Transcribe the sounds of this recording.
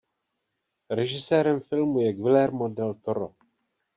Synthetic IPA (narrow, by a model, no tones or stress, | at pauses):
ɾɛʒɪsɛːɾɛmfɪlmujɛɡvɪlɛɾmodɛlt̪oɾo̰